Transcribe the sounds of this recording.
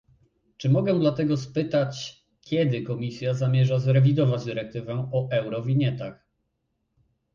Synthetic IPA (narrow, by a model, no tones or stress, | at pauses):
t͡ʂɘmɔɡɛ̃d̪lat̪ɛɡɔspɘt̪at͡ɕ | kʲɛd̪ɘkɔmʲisʲjazamʲjɛʐazɾɛvʲid̪ɔvad͡ʑd̪ɘɾɛk̚t̪ɘvɛɔʔɛwɾɔvʲiɲɛt̪ax